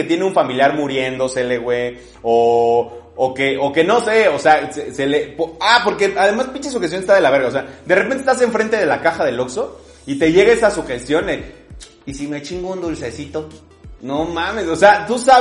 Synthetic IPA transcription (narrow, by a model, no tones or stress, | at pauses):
et̪je̞neuɱfamiljaɾmuɾje̞nd̪o̞seleɣwe | oː | keʔoke̞no̞se̞oseaseselepoapo̞ɾkeaðe̞maspit͡ʃes̬uxet̪̬jonest̪aðe̞laβ̞e̞ɾɣaosead̪erepent̪est̪as̬e̞ɱfɾe̞nt̪e̞ð̞e̞lakaxaðe̞lokso̞ | it̪e̞ʝe̞ɣaesasuxest̪jo̞ne | isimet͡ʃiŋɡound̪ulsesit̪o̞ | nomãmeso̞seat̪usa